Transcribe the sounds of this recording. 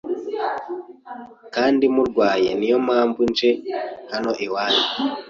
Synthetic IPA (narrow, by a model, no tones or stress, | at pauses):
kaːndimuɾɡwaːjenijo̞maːmvunt͡ʃehano̞ʔiwaːni